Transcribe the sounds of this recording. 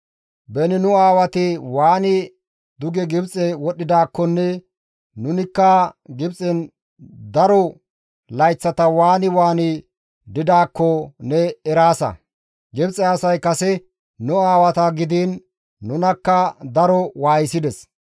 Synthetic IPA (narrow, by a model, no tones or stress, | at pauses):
bɛnɪnʊaːwɐt̪ɪwaːnɪ | d̪ʊɡɛɡɪbt͡sʼɛwɔɗːɪd̪aːkːɔnːɛ | nʊnɪkːɐɡɪbt͡sʼɛn | d̪ɐɾɔ | lɐjt͡sːɐt̪ɐwaːnɪwaːnɪ | d̪ɪd̪aːkːɔnɛɛɾaːsɐ̰ | ɡɪbt͡sʼɛɐsɐjkɐsɛ | nʊaːwɐt̪ɐɡɪd̪iːnː | ʊnɐkːɐd̪ɐɾɔwaːjɪsɪd̪ɛs